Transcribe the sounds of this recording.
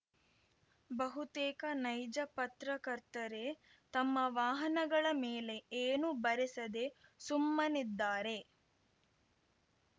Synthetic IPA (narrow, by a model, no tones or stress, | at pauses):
bɐɦut̪ɛːkɐnɐjd͡ʒɐpɐt̪ɾɐkɐɾt̪ɐɾe̞ | t̪ɐmːɐʋaːɦɐnɐɡɐɭɐmeːle̞eːnubɐɾesɐd̪esumːɐnid̪ːaːɾe̞